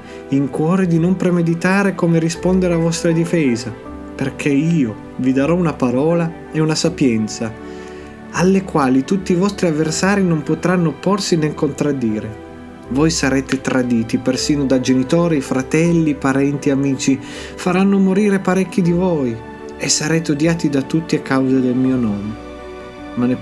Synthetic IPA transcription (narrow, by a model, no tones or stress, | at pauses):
iŋkwɔːɾed̪inompɾemed̪it̪aːɾekoːmeɾispond̪eɾavɔst̪ɾad̪ifɛːza | perkʰeiːo | vid̪aɾɔunapaɾɔːla | eunasapjɛnt̪sa | alːekwaːlit̪ut̪ːiːvɔst̪ɾiavːersaːɾinompot̪ɾanːopːorsineŋkont̪ɾad̪ːiːɾe | vojsaɾeːt̪et̪ɾad̪iːt̪ipersiːnod̪ad͡ʒenit̪oːɾifɾat̪ɛlːipaɾɛnt̪iamiːt͡ʃi | faɾanːomoɾiːɾepaɾɛkːid̪ivoj | esːaɾɛːt̪eod̪jaːt̪id̪at̪ːut̪ːiakːawzad̪elmiːonɔːme | mane